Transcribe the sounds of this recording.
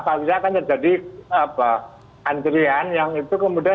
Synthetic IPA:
kalokisaːkant̪ərd͡ʒadiapa | ant̪ɾianjaŋit̪ukəmudia

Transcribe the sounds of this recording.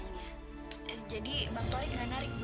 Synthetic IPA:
ɲa | d͡ʒadibaŋt̪ɔɾɪknanaɾɪk̚b

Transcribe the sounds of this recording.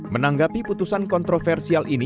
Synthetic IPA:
mənaŋɡapiput̪usankɔnt̪ɾofɛrsialʔini

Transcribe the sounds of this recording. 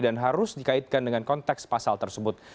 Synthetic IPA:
danɦaɾʊsdikaɪt̪̚kandəŋankɔnt̪ɛkspasalt̪ərsəbʊt̪̚

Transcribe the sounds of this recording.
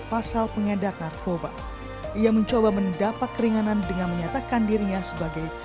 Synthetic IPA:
pasalpəŋedat̪̚narkoba | iaməɲt͡ʃobaməndapat̪̚kəɾiŋanandəŋanməɲat̪akandiɾiɲasəbaɡaj

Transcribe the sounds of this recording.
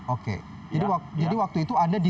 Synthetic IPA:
okḛ | d͡ʒadiwak̚d͡ʒadiwak̚t̪uit̪uadadi

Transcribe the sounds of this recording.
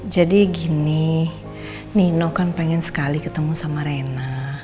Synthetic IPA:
d͡ʒadiɡini | ninokanpeŋɛnsə̥kalikət̪əmusamaɾena

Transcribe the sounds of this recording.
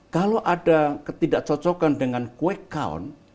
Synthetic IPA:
kaloʔadakət̪idaʔt͡ʃɔt͡ʃɔkandəŋankuɛkːa̰ɔ̰n

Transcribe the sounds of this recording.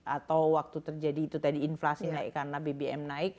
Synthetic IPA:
ʔat̪awwak̚t̪ut̪ərd͡ʒadiːt̪ut̪adiːnflasinaɪ̰kːaɾənabebeɛ̰mnaɪk̚

